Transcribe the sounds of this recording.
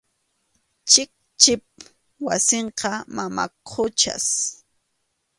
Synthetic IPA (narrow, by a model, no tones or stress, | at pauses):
t͡ʃɪk̚t͡ʃɪp̚ | wa̰seɴqɑmama̰kʰʊt͡ʃa̰s